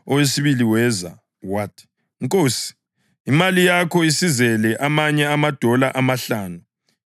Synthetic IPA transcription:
ɔwesiβiliwɛza̰ | watʰʼi̥ | ŋkʼoːsi̥ | imalijakʰɔisizɛlɛʔamaɲɛamad̥ʱɔlaʔamaɬaːnu

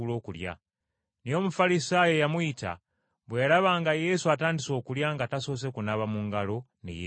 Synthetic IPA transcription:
ulo̞ːkulja̰ | nio̞mufalisaːje̞jamuita̰ | βwejalaβaŋɡaje̞suataːndiso̞ːkuljaŋɡataso̞ːs̬e̞kunaβamuŋɡalo̞ | nḭje

